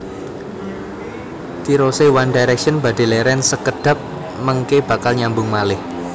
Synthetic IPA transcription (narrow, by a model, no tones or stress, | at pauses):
t̪iɾosewandajɾɛkʃənb̥ä̤ɖ̥e̤lɛɾɛnsəkəɖ̥ä̤p̚ | məŋkeb̥a̤kalɲambʊŋmalɪh